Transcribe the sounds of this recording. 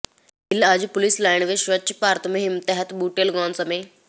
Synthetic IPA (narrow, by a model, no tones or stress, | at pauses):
ilad͡ʑpʊlislaːɪnʋeʃʋɐt͡ɕipaːɾt̪ʰmeɦimt̪eɦɛt̪buːʈelɡɔːnsəmeː